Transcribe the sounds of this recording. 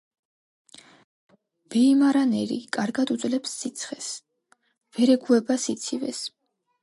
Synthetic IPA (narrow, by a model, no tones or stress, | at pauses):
b̥ɛimaɾanɛɾḭkʼaɾɡad̪ud̪zlɛpsːit̪sʰχɛs | v̥ɛɾɛɡuɛbasit̪sʰivɛ̰s